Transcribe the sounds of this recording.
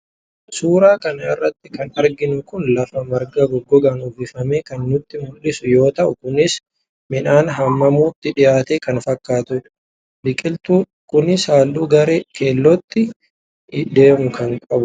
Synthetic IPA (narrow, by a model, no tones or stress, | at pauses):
suːɾaːkɐnɐɪrːɐt̪ːɪkɐnɐɾɡɪnʊkʊnlɐfɐmɐɾɡɐɡɔɡːɔɡaːnʊvɪfɐmeːkɐnːʊt̪ːɪmʊlːɪsʊjo̞ːt̪ɐʔʊkʊnɪs | mɪnaːnɦɐmːɐmuːt̪ːɪᶑɪjaːt̪eːkɐnfɐkːaːt̪ʊ | bɪkʼɪlt̪uː | kʊnɪsaːlːuːɡɐɾeːke̞ːlːɔt̪ːɪ | d̪e̞ːmʊkʰɐŋkʼɐbʊ